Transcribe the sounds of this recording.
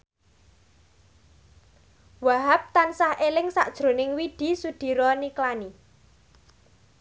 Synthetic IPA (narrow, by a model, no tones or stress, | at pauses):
waɦap̚t̪ansahʔelɪŋsaʔd̥ʒ̥ɾo̤nɪŋwiɖ̥i̤sud̪̥i̤ɾɔniklani